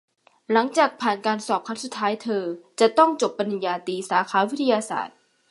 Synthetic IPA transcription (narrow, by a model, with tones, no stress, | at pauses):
la˩˦ŋt͡ɕaː˨˩k̚pʰaː˨˩nkaː˧nsɔː˨˩p̚kʰa˦˥nsu˨˩t̪ʰːaː˦˥jt̪ʰɤː˧t͡ɕa˨˩t̪ɔ˥˩ŋt͡ɕo˨˩pːa˧nːi˨˧njaː˧t̪iː˧saː˩˦kʰaː˩˦wi˦˥t̪ʰːa˧jaː˧sa̰ː˨˩t̪̚